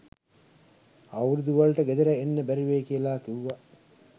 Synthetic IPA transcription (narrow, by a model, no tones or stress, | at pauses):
ɐwɾud̪uʋɐlʈəɡed̪eɾɐenːəbæɾiʋeːkiəlaːkiuʋa